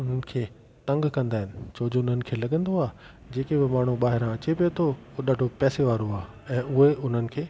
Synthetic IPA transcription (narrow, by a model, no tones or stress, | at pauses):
ʊn̤ənɪ̆kʰeː | t̪ɐ̃ŋɡkɐ̃nd̪aːɦɪnɪ̆t͡ɕʰoːd͡ʑoʊnənɪ̆kʰeːlɐɠə̃nd̪oaː | d͡ʑeːkebɪmaːɳ̤uɓaːɦɪɾãɐt͡ɕepijot̪ʰooɗaːɖʱopɛːseʋaːɾoaː | ɛ̃ːʊɦeʔʊn̤ənɪ̆kʰeː